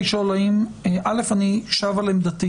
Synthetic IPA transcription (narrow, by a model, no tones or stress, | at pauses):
ʃolaimeʔalefaniʃavalemd̪at̪i